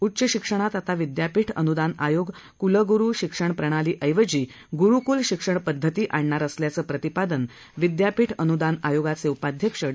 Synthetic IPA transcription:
utːɕəɕikʂəɽ̃at̪at̪aʋid̪japiːʈʰə̰nud̪anajoɡ | kuləɡuɾuːɕikʂəɳpɾəɽ̃aliːʔəjʋəd͡ʑiː | ɡuɾukuːlɕikʂəɳpəd̪ʱːət̪iːʔaɳɳaɾəsljat͡səːpɾət̪ipad̪ən | ʋid̪japiːʈʰənud̪anajoɡat͡seupad̪ʱjəkʂəɽ

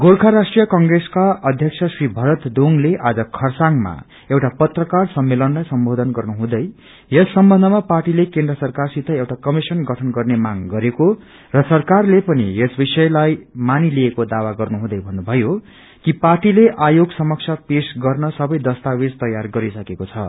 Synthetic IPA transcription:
ɡolkʰaɾasʈrijʌkʌŋɡreskaʌd̪ʱjʌk̚sʰʌsribʱʌɾʌt̪d̪oŋleʔad͡zʌkʰʌrsaŋma̰ | ewʈapʌt̪rʌkarsʌmːelʌnlajsʌmbod̪ʱʌnɡʌrnuɦũd̪ʌj | esːʌmbʌ̃nd̪ʱʌmaparʈilekend̪rʌsʌrkarsit̪ʰʌewʈakʌmisʌnɡʱʌʈʰʌnɡʌrnemaŋɡʌɾeko | rʌsʌrkarlepʌniesbisʌjlajmaniliekod̪awaɡʌrnuɦũd̪ʌjbʱʌnːubʱʌjo | kiparʈileʔajoɡsʌmʌksʰʌpesɡʌrnʌsʌbʌjd̪ʌst̪awed͡zt̪ʌjarɡʌɾisʌkekot͡sʰʌ̰

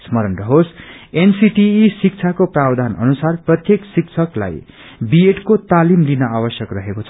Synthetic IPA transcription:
smʌɾʌnrʌɦosensiʈiːsik̚t͡sʰakoprabd̪ʱanʌ̰nusarprʌt̪jeksikt͡sʰʌkla̰j | bieʈkot̪alimlinʌawʌsjʌkrʌɦekot͡sʰʌ

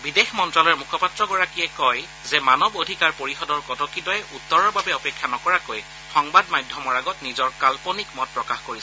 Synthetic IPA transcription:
bidexmɔntɹalɔɹmukʰɔpatɹɔɡɔɹakijɛkɔj | zɛmanɔbodʱikaɹpoɹixɔdɔɹkɔtɔkitɔjɛʔutːɔɹɔɹbabɛɔpɛkʰːjanɔkɔɹakoj | xɔŋbadmajdʱjɔmɔɹaɡɔtnizɔɹkalpɔnikmɔt̚pɹɔkaxkoɹis

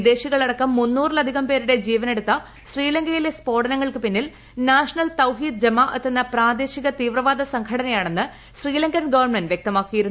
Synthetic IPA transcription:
id̪e̞ːɕiɣɐɭɐɽɐkːɐmːunːuːrlɐd̪ʱiɣɐmpe̞ːɾuɽe̞d͡ʑiːʋɐne̞ɽut̪ːɐ | ɕriːlɐŋɡɐjile̞spo̞ːɽɐnɐŋːɐɭkɨpinːil | naːʂɐnɐlt̪ɐwɦiːd̪̚d͡ʑɐmːaʔɐt̪ːenːɐpraːd̪e̞ːɕiɣɐt̪iːʋrɐʋaːd̪ɐsɐŋkʰɐɽɐnɐjaːɳe̞nːɨ | ɕriːlɐŋɡɐnɡɐʋɐrɳmenɖʋjek̚t̪ɐmaːkːijiɾunu

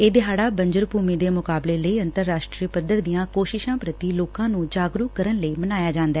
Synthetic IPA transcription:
eːd̪ɪɦaːɽaːbəɲd͡ʒəɾpuːmiːd̪eːmʊkaːbleːləiːənt̪əɾːaːʃʈɾiːpəd̪əɾd̪ijãːkoːʃɪʃãːpɾət̪iːloːkãːnũːd͡ʒaːɡɾʊkkːəɾənləiːmənaːjaːd͡ʒãːnd̪aɛː

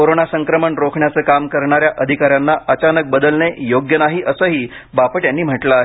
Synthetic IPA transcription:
koɾonasəŋkɾəməɳɾokʰɳjat͡səːkamkəɾɳaɾjaʔəd̪ʱikaɾjanːaət͡ɕanək̚bəd̪əlnejoɡjənaɦiːʔəsəɦiː | bapəʈjanːiːm̤əʈləaɦe

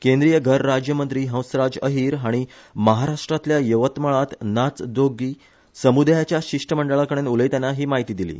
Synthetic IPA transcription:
kend̪ɾijəɡʱəɾːad͡ʑjəmənt̪ɾiːɦə̃w̃sɾad͡zəɦiːɾɦaɽ̃i | məɦaɾaʂʈɾat̪ljajəʋət̪məɭat̪nat͡sd̪oɡiː | səmud̪jat͡ɕjaɕiʂʈəməɳɖəɭakəɽ̃enuləjt̪janːaɦiːmaɦit̪iːd̪ilḭː

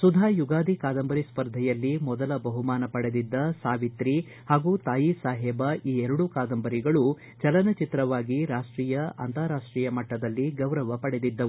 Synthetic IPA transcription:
sud̪ʱaːjuɡaːd̪ʱikaːd̪ɐmbɐɾispɐɾd̪ʱɛjɐlːimɔd̪ɐlɐbɐɦumaːnɐpɐɽed̪id̪ːɐsaːʋit̪ɾi | haːɡut̪aːjisaːɦɛbɐiːɛɾɐɽukaːd̪ɐmbɐɾiɡɐɭu | t͡ʃɐlɐnɐt͡ʃit̪ɾɐʋaːɡiɾaːʂʈɾiːjɐɐ̰nt̪aːɾaːʂʈɾiːjɐmɐʈːɐd̪ɐlːiɡɐwɾɐʋɐpɐɽed̪id̪ːɐu

